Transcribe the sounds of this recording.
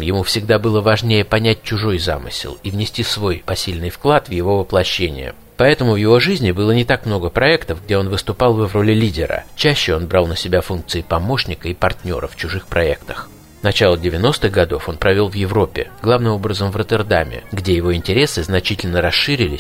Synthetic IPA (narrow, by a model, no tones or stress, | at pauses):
mjɪmufsʲɪɡ̚d̪abɨlˠəvɐʐnʲejəpɐnʲæt̚ʲt͡ɕʊʐo̞jza̰mɨ̰sʲɪ̰lˠivnʲɪsʲtʲisvo̞jpɐsʲilʲnɨjfklˠat̪vjɪvo̞vəplˠɐɕːenʲɪ̰jə̰ | pɐɛt̪əmʊvjɪvo̞ʐɨzʲnʲɪbɨlˠənʲɪt̪akmno̞ɡəpɾɐɛkt̪əvɡ̚dʲeo̞nvɨst̪ʊpɑlˠvvɾo̞lʲɪlʲidʲɪɾə̰t͡ɕæɕːɪo̞nbɾɑlˠnəsʲɪbʲafunk̚t̪sɨɪpɐmo̞ʂnʲɪkəipɐrtʲnʲo̞̰ɾə̰ft͡ɕʊʐɨxpɾɐɛkt̪əx | nɐt͡ɕalˠədʲɪvʲɪno̞st̪ɨɣɡɐd̪o̞fo̞npɾɐvʲo̞lˠvjɪvɾo̞pʲːɪ̰ɡlˠavnɨmo̞bɾəzəmvrət̪ʲərd̪amʲɪ̰ɡdʲejɪvo̞ɪnʲtʲɪɾʲe̞sɨznɐt͡ɕitʲɪlʲnəɾɐsʂɨɾʲɪlʲɪsʲ